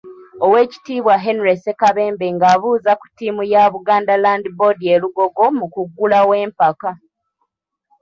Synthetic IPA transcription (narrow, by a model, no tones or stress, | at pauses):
o̞we̞ːci̥tiːβwaɦenɾesekaβe̞ːmbe̞ŋɡaːβuːzaku̥tːiːmujaβuɡaːndalandibodieluɡo̞ɡo̞mukuɡːulawe̞ːmpaka